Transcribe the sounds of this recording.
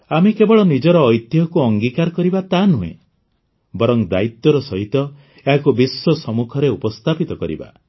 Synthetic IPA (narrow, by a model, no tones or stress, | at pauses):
amekebɔɭɔnid͡ʒɔɾɔːjt̪jɔkuɔŋɡikaɾɔkɔɾibat̪anuɦḛ̃ | bɔɾɔŋd̪a̰it̪ɔɾɔsɔɦit̪ɔ | eɦakubiswɔsɔmukʰɔɾeupɔst̪ʰapit̪ɔkɔɾḭba̰